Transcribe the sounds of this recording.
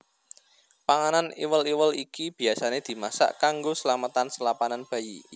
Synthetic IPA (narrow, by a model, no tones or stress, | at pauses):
paŋananḭwəliwəlikib̥i̤asaned̪̥i̤masa̰ʔkaŋɡosəlamət̪ansəlapananb̥ä̤jḭ